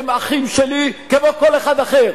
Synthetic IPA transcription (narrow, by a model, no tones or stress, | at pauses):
maχimʃelikemokoleχad̪aχeʁ